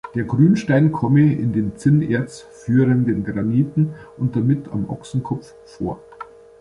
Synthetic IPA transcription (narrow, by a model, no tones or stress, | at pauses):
d̥eːɐɡʁyːnʃtaɪnkʰɔməɪ̰ndeːnt͡sɪnḛːɐt͡s | fyːʁəndənɡʁaniːtn̩ʔʊnt̚d̥amɪtʰa̰mʔɔ̰ksn̩kʰɔpp͡fːo̰ːɐ